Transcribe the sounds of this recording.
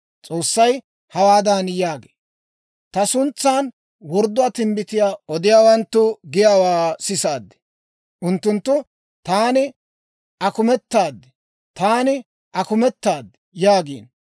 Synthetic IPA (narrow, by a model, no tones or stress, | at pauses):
t͡sʼo̞ːsːɐj | hɐwaːd̪aːnjaːɡe̥ | t̪ɐsʊnt͡sːaːn | wɔɾd̪ːʊaːt̪ɪmbɪt̪ɪjaːɔd̪ɪjaːwɐnt̪ːʊɡɪjaːwaːsɪsaːd̪ːɛ̥ | ʔʊnt̪ːʊnt̪ːʊ | t̪aːnɪ | ʔɐkʊmɛt̪ːaːd̪ːɛ̥ | t̪aːnɪ | ʔɐkʊmɛt̪ːaːd̪ːɛjaːɡḭːn